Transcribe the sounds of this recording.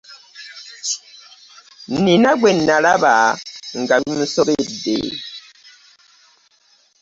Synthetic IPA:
ninaɡwɛnːalabaŋ̩ɡabin̩sɔkedḛ

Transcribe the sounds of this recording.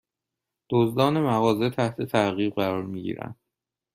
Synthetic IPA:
d̪̥ozd̪ɒːne̞mæɣɒːze̞t̪ʰæht̪ʰe̞t̪ʰæɣiːbɢæɾɒːɾmiɟḭːɾæ̰nd̪̥

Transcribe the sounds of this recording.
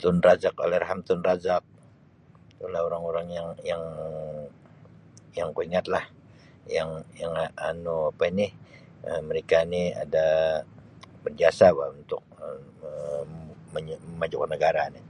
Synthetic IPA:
t̪ʊnrazako̰lɛhrɦamt̪ʊnrazak̚ | t̪ulahoɾaŋoɾaŋjaŋjaŋ | jaŋkoiŋat̪̚lah | jaŋjaŋanuapainɪh | əməɾekania̰da | bərd͡ʒiasabaunt̪ʊk̚ə | məɲməmad͡ʒʊkːənəɡaɾani

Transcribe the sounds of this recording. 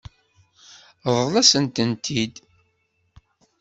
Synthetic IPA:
ðˤlæsənt̪ənt̪ʰid̪

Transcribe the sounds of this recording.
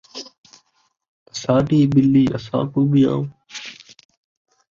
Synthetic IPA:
əsaːʈiːbɪlːiːʔəsã̰ːkuːɓijã̰ː

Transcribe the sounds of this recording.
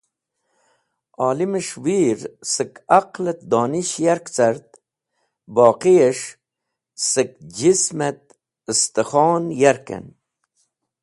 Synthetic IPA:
ɑːliməʂwiːɾsəkaqlɐt̪̚d̪oːniʃjaɾkt͡saɾt̪ | boːqieʂ | sək̚d͡ʒismet̪̚ | əst̪əχɔːnjaɾkḛn

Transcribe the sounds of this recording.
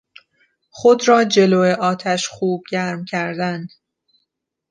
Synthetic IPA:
xod̪ɾɒːd͡ʒe̞loːeʔɒːt̪ʰæʃxuːb̚ɟæɾmcʰæɾd̪æn

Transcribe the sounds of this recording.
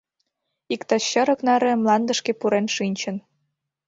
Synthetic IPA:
ikt̪ɑɕə̆ɾə̆knɑɾɤmlɑnd̪ə̆ʃkepuɾenʃinʲt͡ɕə̆n

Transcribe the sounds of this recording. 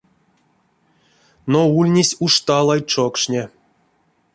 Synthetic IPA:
noulʲnʲisʲuʂt̪alˠajt͡ʂokʂnʲe

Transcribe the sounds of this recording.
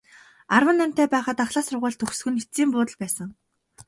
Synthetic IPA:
arwə̆nːæm̥ʲt̪eːpæːχə̆t̪aχɮaːsʊrʁʊːɮt̪ʰɵxsxɵ̆net͡siːmpʊːt̪ə̆ɮpæːsə̆ŋ

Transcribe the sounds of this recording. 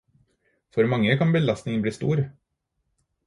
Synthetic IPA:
fɔɾmɑŋːəkʰɑnbəlɑst̪nɪŋənbliːst̪ṵːɾ

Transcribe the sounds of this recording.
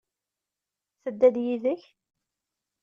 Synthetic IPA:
θəd̪ːæd̪jiðəç

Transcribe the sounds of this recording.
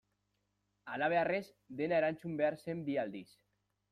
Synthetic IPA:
alaβeares | d̪enaɾanʲt͡ʃumbeaɾsembiald̪is

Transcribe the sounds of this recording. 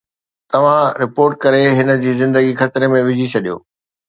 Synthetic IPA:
t̪ɐʋ̤ãɾɪpoːɾʈ̚kɐɾeɦɪnə̆d͡ʑiːzɪ̃nd̪əɡixɐt̪ɾemẽʋɪd͡ʑʱit͡ɕʰɐɗijo̰ː

